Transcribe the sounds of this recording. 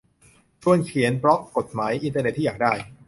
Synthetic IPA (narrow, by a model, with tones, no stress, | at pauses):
t͡ɕʰu˧ənkʰi˩˦ənpɾɔ˦˥ko˨˩t̪̚maː˩˦jʔi˧nt̪əː˧ne˨˩t̪ʰːi˥˩jaː˨˩k̚daː˥˩j